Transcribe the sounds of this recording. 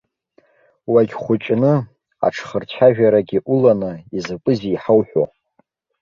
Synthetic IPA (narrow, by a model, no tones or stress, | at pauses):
waɡʲχʷʊt͡ʃʼnɨ | a̰ʈ͡ʂʰχərt͡ɕʷʰaʒᶣaɾaɡʲiʔulanɨizɨpʷʼɨziːħawħʷᶣo̰